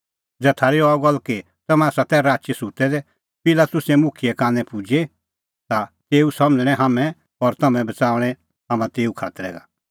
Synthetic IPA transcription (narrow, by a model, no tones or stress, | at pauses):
d͡zɛt̪ʰaːɾiɔɡɔlːke | t̪ɐmɛ̃aːsat̪ɛɾaːt͡ʃesut̪ɛd̪ɛ | pɪlat̪ʊsɛmʊkʰijɛkaːnɛ̃pʊd͡ʒe | t̪at̪eːusɐməd͡ʒɽ̃ɛ̃ɦamɛ̃ | ɔɾt̪ɐmɛ̃bɐt͡saːʋɽ̃ɛ̃ | ɦamãt̪eːukʰa̰ːt̪əɾɛ̰ɡa̰